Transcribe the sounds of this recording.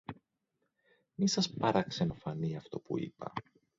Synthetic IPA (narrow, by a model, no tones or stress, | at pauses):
misɐspɐɾɐkse̞nofɐniɐft̪o̞puḭpɐ̰